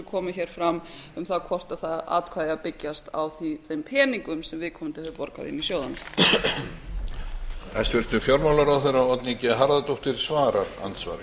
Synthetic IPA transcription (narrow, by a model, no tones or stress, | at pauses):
kʰɔːmʏçɛːɾ̥fɾamʏmθaðkʰɔr̥t̪aðθaða̰ːt̪̚kʰaːðapɪcjast̪a̰wθiθejmpʰɛːniŋkʏmsɛmvɪðkʰɔmʏmt̪ɪlhɛðʏpɔɾka̰ðḭnːisjoːwðanʏ | ɛst̪vɪlst̪ʏmfjɔɾmawlaɾawθeɾaɔt̪nicɛɦaɾðat̪oht̪ɪɾ̥svaːɾaɾa̰nt̪sva̰ɾɪ